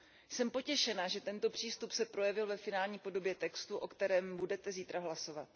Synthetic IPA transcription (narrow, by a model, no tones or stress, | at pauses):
sɛmpo̞cɛʃɛnaʒɛt̪ɛnt̪o̞pr̝̥iːst̪upsɛpɾo̞jɛvɪlvɛfɪnaːlɲiːpo̞do̞bjɛt̪ɛkst̪uʔo̞kt̪ɛɾɛːmbudɛt̪ɛziːt̪ɾaɦlaso̞vat̪̚